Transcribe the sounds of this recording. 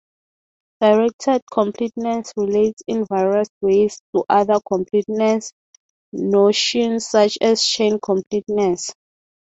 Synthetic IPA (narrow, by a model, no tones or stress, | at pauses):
d̥aɹɛk̚tʰɛd̚kʰɔ̃mpʰlitnɛ̃ntsɹiletsĩnvajɹaswestʰuʔaðakʰɔ̃mpʰlitnɛ̃ns | noʃɔ̃nsːat͡ʃɛst͡ʃʰẽnkʰɔ̃mpʰlitnɛ̃ns